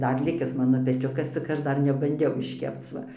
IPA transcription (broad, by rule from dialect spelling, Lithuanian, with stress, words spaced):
ˈdɐr lʲɪˈkʲɪs ˈmɑːnoː pʲɛˈt͡ʃʲʊkɐs t͡sʲɪk ˈɐʃ ˈdɐr nʲɛbɐnʲˈdʲɛʊ ɪʃʲˈkʲɛpt͡s ˈʋɐ